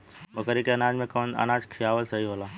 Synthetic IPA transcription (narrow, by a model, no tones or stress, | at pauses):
mɐkəɾikeɐnaːd͡ʒmẽkɐːna̰naːd͡ʒkʰijaːʋəlsɐɦiɦoːlaː